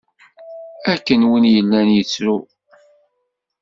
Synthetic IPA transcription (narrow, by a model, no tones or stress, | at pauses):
ækːənwinjəlːænjət͡sːɾu